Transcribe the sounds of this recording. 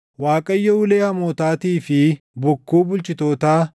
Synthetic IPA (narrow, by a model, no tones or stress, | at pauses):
waːkʼɐjːɔʊleːhɐmoːt̪aːt̪iːfɪ | bʊkːuːbʊlt͡ʃʼɪt̪oːt̪aː